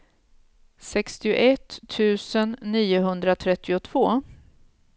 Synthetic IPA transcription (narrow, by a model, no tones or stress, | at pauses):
sɛkst̪ɪʊ̰ʔɛt̪ʰːʉ̟ːsənːiːʊɦɵnd̪ɾat̪ʰɾɛt̪ːɪʊt̪ʰv̥oː